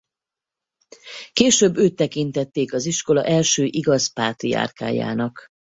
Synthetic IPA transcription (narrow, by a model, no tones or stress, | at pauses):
keːʃøːbːøːt̪ːɛkint̪ɛt̪ːeːkɒziʃko̞lɒ̰ʔɛlʃøːʔiɡɒzpaːt̪ia̰ːrka̰ːja̰ːnɒk